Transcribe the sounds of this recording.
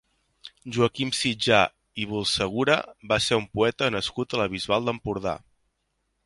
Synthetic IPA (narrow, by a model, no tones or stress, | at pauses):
ʒuəkimsid͡ʒa̰ | iβ̞ulˠsəɣ̞uɾə̰baseumpuɛt̪ənəskut̪ələβ̞izβalˠd̪əmpuɾð̞a̰